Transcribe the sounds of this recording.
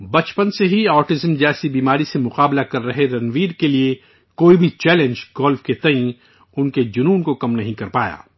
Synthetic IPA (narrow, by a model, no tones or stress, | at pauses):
bɐt͡ʃpənseɦiaːʈɪzəmd͡ʒɛːsibiːmaːɾisemʊqaːblakɐɾːɐɦeɾɐnʋiːɾkelie | koːibʱit͡ʃɛːlẽnd͡ʒɡɔːlfket̪ɐĩ | ʊnked͡ʒʊnuːnkokɐmnɐɦĩkɐɾpa̰ːja̰ː